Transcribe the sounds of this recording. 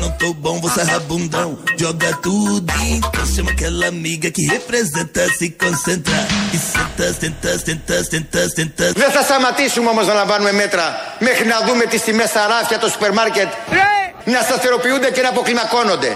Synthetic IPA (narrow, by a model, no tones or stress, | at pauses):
nɐ̃w̃t̪owbõw̃voseɦabũnd̪ɐ̃w̃ʒɔɡɐt̪ud̪t̪ɐ̃ʃɐ̃makɛlamiɡɐkɪhepɾezẽnt̪ɐsɪkõsẽnt̪ɾaɾkɪsẽnt̪ɐsẽnt̪ɐsẽnt̪ɐsẽnt̪ɐsẽnt̪ɐvesasamat̪isumamozalavanũemet̪ɾɐ | meɣnad̪umet̪isimɛsaɾafjat̪osu̥peɾmaɾket̪ | nɛsaseɾopiud̪ekenapoklimakonod̪e